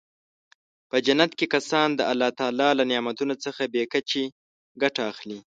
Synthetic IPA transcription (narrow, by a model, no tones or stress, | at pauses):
pəd͡ʒanːat̪kekasɑnd̪əʔalːɑt̪ɑlɑlanɪjɑmat̪unot͡səxabekat͡ʃe | ɡaʈaːxli